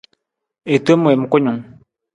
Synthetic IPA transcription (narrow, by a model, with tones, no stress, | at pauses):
e˨to˦mu˨e˨m̩˦ko˦ɲu˨ŋ